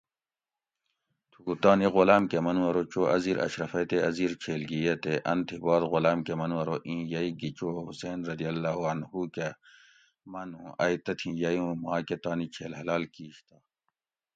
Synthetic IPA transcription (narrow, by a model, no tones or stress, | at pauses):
t̪ʰuut̪aːniɣolaːmkemɐnwɐɾot͡ʃoːʔɐziːɾʔɐ̰ɕɾɐfɐjt̪eɐziːɾt͡ɕʰeːlɡijet̪eʔɐnt̪ʰibɑːd̪ɣolaːmkemɐnwɐɾoʔĩːjɐiɡit͡ɕoːɦuseːnɾɐd̪ijɐlːaːɦuɐnɦuke | mɐnũːʔɐjt̪ɐt̪ʰĩːjɐjũmaːket̪aːnit͡ʃʰeːlɦɐlaːlkiːɕt̪aː